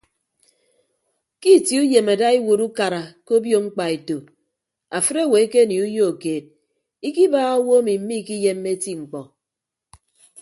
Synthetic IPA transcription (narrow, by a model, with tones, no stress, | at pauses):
ki˦˨ti˨u˦je˨ma˨da˦i˦wo˨ɾu˦ka˨ɾa˨ko˦bjo˦˨ŋ͡m̩˦k͡pa˨e˨to˨ | a˨fɨ˦ɾe˦˨we˨e˦ke˦˨ni˨u˦jo˦o˨keː˨d̚ | i˦ki˦baː˦ɣa˦wo˦a˦mi˨m̩˦mi˦˨ki˦je˦mːe˦ti˦ŋ͡m̩˨k͡pɔ˨